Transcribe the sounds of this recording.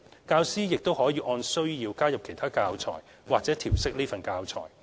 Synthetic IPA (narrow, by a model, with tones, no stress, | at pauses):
kaː˧wsiː˥jɪ˨k̚t̪o˥whɔː˨˥jiː˨˧ʔɔː˧nsɵ˥ɥjiː˧wkaː˥jɐ˨p̚kʰe˨˩jt̪ʰaː˥kaː˧wt͡sʰɔ̰ː˨˩j | waː˨k̚t͡sɛː˨˥t̪ʰiː˨˩wsɪ˥k̚liː˥fɐ˨nkaː˧wt͡sʰɔ̰ː˨˩j